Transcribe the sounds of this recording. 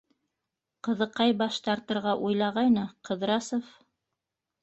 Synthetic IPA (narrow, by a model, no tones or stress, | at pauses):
qɤ̆ðɤ̆qːɑjbɑʃt̪ɑɾt̪ɤ̆ɾʁɑʔujlˠɑʁɑjnɤqɤ̆ðɾɑsof